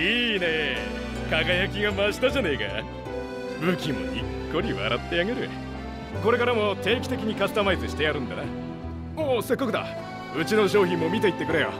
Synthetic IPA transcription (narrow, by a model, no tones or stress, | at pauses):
iːne̞ | kaɡajak̬ʲiɡamaɕi̥t̪aʑaneika̰ | bɯ̟kʲimo̞̰ikːo̞ɾʲiβa̰ɾat̪ːe̞aɡe̞ɾɯ̟ | ko̞ɾe̞kaɾamo̞t̪e̞ːkʲi̥t̪e̞kʲiɲ̟ikasɨ̥t̪amait͡sɨɕi̥t̪e̞jaɾɯ̟̃nd̪ana | oːse̞kːakɯd̪a̰ | ɯ̟t͡ɕino̞ɕo̞ːçĩmːo̞mʲit̪e̞it̪ːe̞kɯ̟ɾejo̰